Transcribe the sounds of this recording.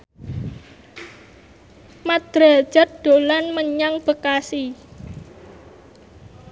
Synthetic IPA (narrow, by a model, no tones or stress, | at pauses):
mad̪̥ɾḁʒ̥a̤t̪̚d̪̥o̤lanməɲaŋb̥əkasi